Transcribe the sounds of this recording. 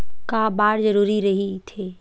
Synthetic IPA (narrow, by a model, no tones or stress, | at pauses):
kabaːɽd͡ʒəɾuːɾiɾɐɦit̪ʰeː